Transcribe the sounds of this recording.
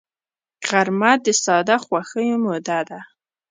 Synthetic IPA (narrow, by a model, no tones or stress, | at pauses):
ɣ̥aɾmad̪əsɑd̪axwaxəjomod̪ad̪a